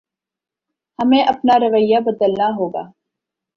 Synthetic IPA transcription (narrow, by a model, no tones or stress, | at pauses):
hɐmẽːʔɐpnaɾəʋəjabəd̪əlnaɦoːɡa̰ː